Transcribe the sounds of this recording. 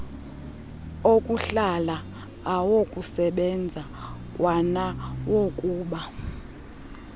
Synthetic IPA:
okʼuɬalaː | wokʼusɛɓɛnd͡zʱakʼwʔanawokʼuːɓa

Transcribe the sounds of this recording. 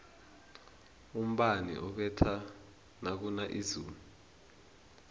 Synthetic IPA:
um̩ɓanḭʔɔk̬wɛtʰa | nak̬unaʔizuːmu

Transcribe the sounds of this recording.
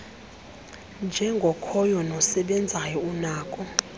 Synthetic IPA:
nd͡ʒʱɛŋɡʱɔkʰɔjɔnɔsɛɓɛnd͡zʱajɔunaːkʼɔ

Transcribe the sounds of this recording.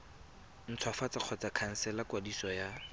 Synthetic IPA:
n̩t͡sʰwafat͡saq͡χʰɔt͡sakʰan̩sɛlakwadisɔja

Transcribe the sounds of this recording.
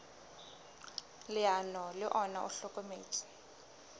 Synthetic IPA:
lɪanɔlɪʔɔna̰ʔʊɬɔkʼomeːt͡ʃʼɪ̥

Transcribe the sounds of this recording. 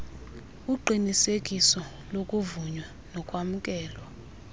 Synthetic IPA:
uǃʱinisekʼisɔ | lokʼuvuɲwa | nɔkʼwamukʼɛːlwa

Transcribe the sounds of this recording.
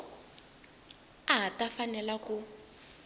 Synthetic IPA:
aɦatafanɛlaku

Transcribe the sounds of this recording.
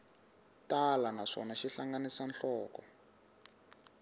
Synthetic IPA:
talanaʂɔnaʃiɬaŋɡanisanɬɔːkɔ

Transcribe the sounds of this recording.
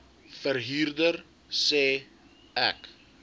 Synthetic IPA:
fərɦiːrdər | sɛː | æ̰k

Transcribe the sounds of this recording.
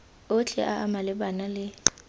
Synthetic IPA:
ʊt͡ɬʰʼɛ̰ʔaʔamalɪɓanalɪ

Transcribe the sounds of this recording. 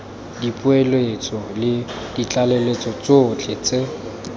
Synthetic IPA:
dipʼʊɛlɔet͡sʼɔlɪd̥it͡ɬʼalelet͡sʼɔt͡soːt͡ɬʰʼet͡sʼe

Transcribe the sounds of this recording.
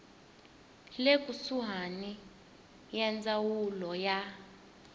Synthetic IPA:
lekʼusuɦani | jɛnd͡zawulɔja

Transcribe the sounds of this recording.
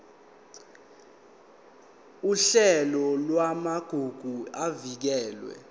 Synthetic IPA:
uɬɛlɔlwamaɡ̥ʱuɡ̥ʱuavik̬ɛːlwɛ̰

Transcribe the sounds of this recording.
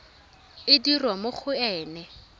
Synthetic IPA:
ɪdirwamok͡xʰʊɛːnɛ

